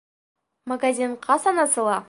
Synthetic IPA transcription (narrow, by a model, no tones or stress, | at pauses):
maɡazʲiɴqɑsɑnɑsɤ̆lˠɑ